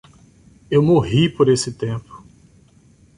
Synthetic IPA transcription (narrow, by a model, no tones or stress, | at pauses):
ewmoɦipoɾesɪt̪ẽpʊ̥